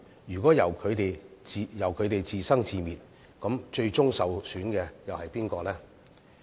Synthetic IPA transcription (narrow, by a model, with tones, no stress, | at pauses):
jyː˨˩kɔː˨˥jɐ˨˩wkʰɵ˨˧t̪e˨jjɐ˨˩wkʰɵ˨˧ɥt̪e˨jt͡siː˨sɐ˥ŋt͡siː˨miː˨t̚ | kɐ˨˥mt͡ʃɵ˧ɥt͡ʃʊ˥ŋsɐ˨wsyː˨˥nkɛː˧jɐ˨whɐ˨˩jpiː˥nkɔː˧lɛː˥